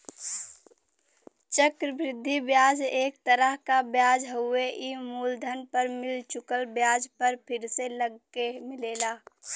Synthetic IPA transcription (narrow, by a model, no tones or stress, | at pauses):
t͡ʃəkɾəbɾɪd̪ʱːibjaːd͡ʒeːk̚t̪əɾəɦkabjaːd͡ʒɦʊeʔimuːld̪ʱənpəɾmɪlt͡ʃʊkəlbjaːd͡ʒpəɾpʰɪɾseləɡːemɪleːlaː